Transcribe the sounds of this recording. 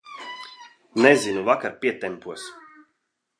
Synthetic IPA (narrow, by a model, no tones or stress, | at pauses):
nɛzinuvakaɾpʲiɛt̪ɛmpuɔs